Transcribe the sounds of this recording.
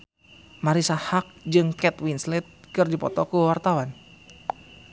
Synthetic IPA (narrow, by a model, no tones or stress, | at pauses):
maɾisahak̚d͡ʒɨŋkɛt̪winslit̪̚kɨrdipɔt̪ɔkuwart̪awan